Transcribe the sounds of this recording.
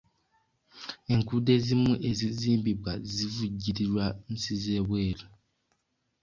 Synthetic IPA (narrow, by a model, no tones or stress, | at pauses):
e̞ŋkude̞zimuʔeziziːmbibwazivuɟiɾiɾwan̩sizeːβweːlu